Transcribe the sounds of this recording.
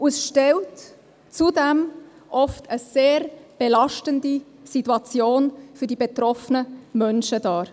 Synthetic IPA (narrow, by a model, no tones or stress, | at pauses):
ʔusʃtɛlt | t͡sudɛm | ʔɔftəseːɾb̥elɑʃtəndi | sitːuɑt͡sjoːnfyɾdibetɾɔfənəmœnʃədɑːɾ